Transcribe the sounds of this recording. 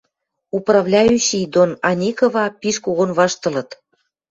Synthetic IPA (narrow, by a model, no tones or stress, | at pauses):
uprɑvlʲɑjyɕid̪onɑnʲikovɑpiʃkoɣonβɑʃt̪ɤ̆lɤ̆t̪